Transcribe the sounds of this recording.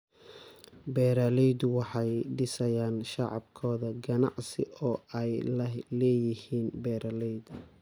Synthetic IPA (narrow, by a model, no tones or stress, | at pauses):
bɛːɾalɛjd̪wɑħɑjɖɪsɐjaːnʃɑʕɑ̰bkʰɔːðɐɡɐnɑ̰ʕsɪʔɔːɛjllɛːjɪhiːnbɛːɾɐlɛjd̪